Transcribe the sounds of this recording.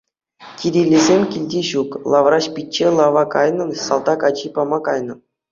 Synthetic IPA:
kʲiɾʲilʲːezʲemʲkʲilʲdʲiɕuklˠɑʋrɑɕpʲit̚ʲt͡ɕːelˠɑʋɑkɑjnɤ̆nsɑlˠd̪ɑkɑt͡ɕipɑmɑkɑjnɤ̆

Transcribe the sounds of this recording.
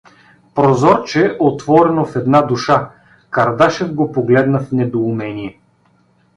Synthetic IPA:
pɾozɔɾt͡ʃɛʔot̪vɔɾɛnofɛd̪nad̪uʃa | kɐɾd̪aʃɛvɡopoɡlɛd̪nəfnɛd̪oumɛniɛ

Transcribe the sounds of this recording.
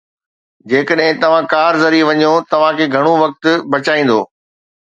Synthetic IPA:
d͡ʑeːkəɗɦɪ̃t̪ɐʋ̤ãkaːɾzɐɾiʋɐɲjot̪ɐʋ̤ãkʰeːɡʱɐɽ̃oʋɐk̚t̪ʊ̆bɐt͡ɕaːĩːn̆d̪o̰ː

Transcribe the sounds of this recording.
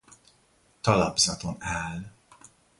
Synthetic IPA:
t̪ɒlɒbzɒt̪onaːl

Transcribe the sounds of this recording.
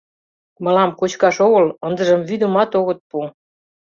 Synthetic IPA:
mɤ̆lɑmkot͡ɕkɑʃoɣələnd̪ə̆ʒəmvyd̪əmɑt̪oɣət̪̚pu

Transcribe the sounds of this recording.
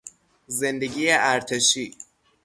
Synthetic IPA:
zend̪eɡiːjeʔæɾt̪ʰeʃiː

